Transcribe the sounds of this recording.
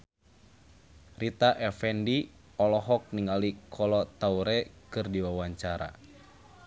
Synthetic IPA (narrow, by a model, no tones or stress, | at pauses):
rit̪aʔɛfɛndi | ɔlɔɦɔk̚niŋalikʰɔlɔt̪auɾɛkɨrdiwawaɲt͡ʃaɾa̰